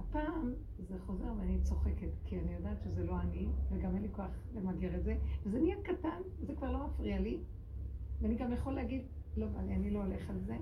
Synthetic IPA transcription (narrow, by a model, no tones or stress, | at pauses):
hapaːm | zeχo̞ze̞ʁveanit͡so̞χe̞ketkʰianijo̞daːtʃezelo̞aniveɡamenlikoaχlemaɡiʁetzevezenijadkatan | zekvaʁlo̞mafʁiali | veaniɡamjeχoleaɡid̪lo̞va̰lianilo̞ːle̞χalze̞